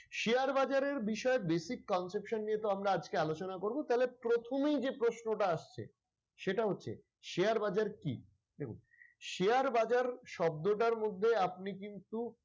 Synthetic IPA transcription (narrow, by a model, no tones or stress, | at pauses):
ʃeaɾbad͡ʑaɾeɾbiʃɔebesikːɔnsepʃonːiet̪oamɾaad͡ʑkealot͡ɕonakoɾbot̪aɦlepɾot̪ʰomejd͡ʑepɾosnoʈaaʃt͡ɕʰḛ | ʃeʈaɦotːɕʰḛ | ʃeaɾbad͡ʑaɾkḭ | d̪ekʰṵn | ʃeaɾbad͡ʑaɾʃɔb̚d̪oʈaɾmod̪ʱːeap̚nikint̪u